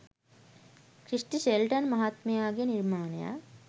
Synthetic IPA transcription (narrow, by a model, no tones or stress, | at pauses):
kɾiʂʈiʃelʈɐnmɐɦat̪meaːɡjeniɾmaːnja̰